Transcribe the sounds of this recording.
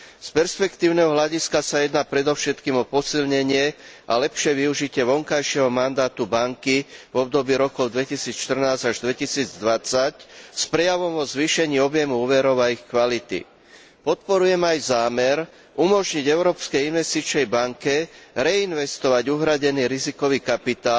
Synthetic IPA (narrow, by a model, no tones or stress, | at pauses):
spɛɾspɛkt̪iːʊnɛɦɔɦlaɟiskasajɛd̪naːpɾɛd̪ɔʊʃɛt̪kiːmɔpɔsilɲɛɲɪɛʔa̰lɛpʃɪɛʋiuʒicɪɛʋɔŋkajʃɪɛɦɔmand̪aːt̪ubaŋkivɔb̚d̪ɔbiːɾɔkɔʊd̪ʋɛcisiːt͡sʃt̪r̩naːzaʒd̪ʋɛcisiːd͡zd̪ʋat͡sacspɾɛjaʋɔmʋɔzʋiːʃɛɲiːɔbjɛmuuːʋɛɾɔʊaixkʋalit̪ḭ | pɔt̪̚pɔɾujɛmajzaːmɛɾ | umɔʒɲiɟɛʊɾɔːpskɛjinʋɛst̪it͡ʃnɛjbaŋkɛɾɛinʋɛst̪ɔʋaɟuɦɾaɟɛniːɾizikɔʋiːkapit̪aːl